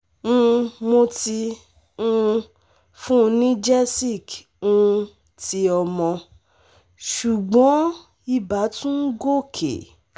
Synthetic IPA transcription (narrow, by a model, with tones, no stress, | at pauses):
ũ˧mo˧ti˧ | ũ˦˧ | fũ˦˧nĩ˦d͡ʒɛ˦si˦˨k | ũ˧ | ti˧ɔ˧mɔ̃˧ | ʃu˨ɡ͡bɔ̃˨˦ | i˦ba˨˦tũ˦ɡo˦˨kʰḛ˨